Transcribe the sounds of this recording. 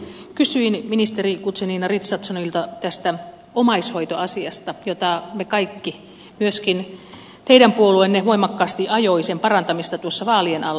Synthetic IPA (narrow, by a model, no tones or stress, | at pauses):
kysyinminist̪erikut̪seninɑrit̪sɑt̪sɑnoilt̪ɑt̪æst̪æ | omɑishoit̪oɑsiɑst̪ɑjot̪ɑmekɑikːi | myøskin | t̪eiɾæmpuoluenːeʋoimɑkːɑːst̪iʔɑjoisempɑrɑnt̪ɑmist̪ɑt̪uosːɑʋɑːlienɑlː